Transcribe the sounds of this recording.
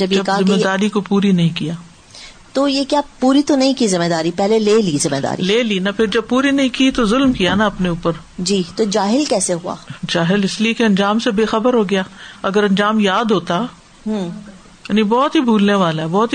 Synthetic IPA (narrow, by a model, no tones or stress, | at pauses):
d͡ʒɐbjd͡ʒeɐzɪmːed̪aːɾikopuːɾinɐɦĩkijaː | t̪ojekjaːpuːɾit̪onɐɦĩkizɪmːed̪aːɾipɛɦleleːlizɪmed̪a̰ːɾḭleːliːnapʰɪɾd͡ʒɐb̚puːɾinɐɦĩkit̪ozʊlmkijanaɐpneuːpəɾ | d͡ʒiːt̪od͡ʒaːɦɪlkɛːseɦua̰ːd͡ʒaːɦɪlɪsliekeɐ̃nd͡ʒaːmsebeːxɐbəɾɦoɡɐjaːɐɡəɾɐ̃nd͡ʒaːmjaːd̪ɦoːt̪a | ɦũ | jnĩbɔːt̪ɦibʱuːlneʋaːlaɦɛbɔːt̪i